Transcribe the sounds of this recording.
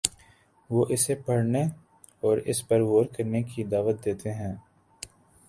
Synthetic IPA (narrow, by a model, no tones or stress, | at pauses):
ʋoːʔɪsepɐɽne | ɔːɾɪ̰spɐɾʋoːɾkəɾnekid̪aːʋət̪̚d̪eːt̪eɦɛ̃ː